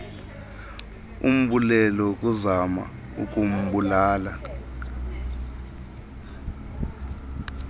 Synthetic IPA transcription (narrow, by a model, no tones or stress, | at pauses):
ṵm̩ɓulɛlɔk̬ʼuzama̰ | ṵk̬ʼum̩ɓulaːla